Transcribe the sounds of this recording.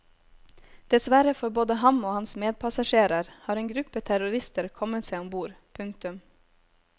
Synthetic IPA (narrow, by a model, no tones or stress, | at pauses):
d̪̥ɛsʋæɾəfɔɾboːd̪əhɑmoːhɑnsmeːd̪̚pʰɑsɑʃeːɾəɾhɑːɾeːŋɡɾʉpət̪ʰæɾʊɾɪst̪əɾkʰɔmət̪seɪɔmbuːɾ | pʰʉŋkt̪ʉm